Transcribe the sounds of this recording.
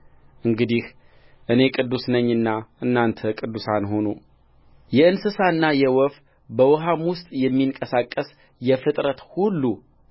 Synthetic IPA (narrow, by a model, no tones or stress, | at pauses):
ʔɨŋɡɨd̪ih | ʔɨne̞kʼɨd̪ːusnəɲːɨnːaʔɨnːant̪ʰəkʼɨd̪ːusanɦo̞nu | jɛɨnsɨsaɨnːajɛwɔf | bəwɔɦamwʊst̪ʼjɛmːiŋkʼəsakʼːəs | jɛfɨt̪ʼɾət̪hulːu